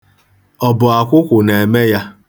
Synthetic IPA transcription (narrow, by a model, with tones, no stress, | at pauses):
ɔ˨bʊ˨a˨kʷʊ˦kʷʊ˨ne˨me˦ja˦